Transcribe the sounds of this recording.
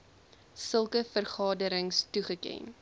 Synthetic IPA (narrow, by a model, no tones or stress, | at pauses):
səlˠkəfərχɑːdəɾəŋstuχəkɛ̰n